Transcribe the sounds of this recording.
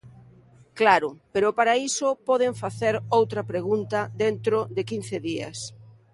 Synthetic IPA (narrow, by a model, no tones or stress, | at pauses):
klaɾʊpeɾʊpaɾaisʊpɔð̞eɱfaθeɾowt̪ɾɐpɾeɣunt̪ɐd̪ent̪ɾoðɪkin̟θɪðiɐ̰s